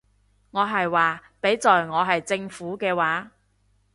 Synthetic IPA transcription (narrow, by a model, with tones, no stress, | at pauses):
ŋɔː˨˧ɦɐ˨jwaː˨pe˨˥jt͡sɔː˨jŋɔː˨˧ɦɐ˨jt͡sɪ˧ŋfuː˨˥kɛː˧waː˨˥